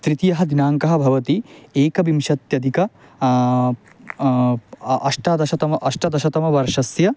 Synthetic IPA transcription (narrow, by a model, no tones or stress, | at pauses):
t̪ɾit̪ijɐɦɐd̪inaːŋkɐɦɐbʱɐʋɐt̪ieːkɐbimʃɐt̪jɐd̪ʱikɐ | ɐʂʈad̪ɐʃɐt̪ɐmɐʔɐʂʈɐd̪ɐʃɐt̪ɐmɐʋɐɾʂɐsjɐ